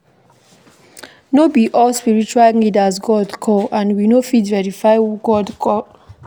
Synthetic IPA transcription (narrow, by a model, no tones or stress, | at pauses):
nobiʔɔlspiɹit͡ʃuwallidazɡɔdkʰɔãnwinofidvɛɹifaɪɡɔdkʰɔ